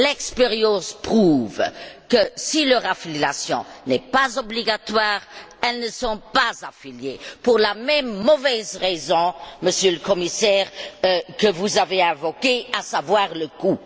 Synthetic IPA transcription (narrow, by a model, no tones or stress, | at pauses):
lɛkspɛʁjɑ̃spχuvkəsiləʁafiljasjɔ̰̃nɛpazɔbliɡat̪waːʁ | ɛlnəsɔ̃pazafiljepuʁlamɛmːɔvɛzʁezɔ̃məsjøləkɔmisɛːʁkəvuzaveɛ̃vɔkeasavwaːʁləku